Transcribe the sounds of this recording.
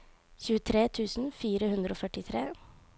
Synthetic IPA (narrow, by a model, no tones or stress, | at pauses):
çʉːət̪ʰɾeːt̪ʰʉːsn̩fiːɾəhʉnd̪ɾəoːfœʈɪt̪ʰɾeː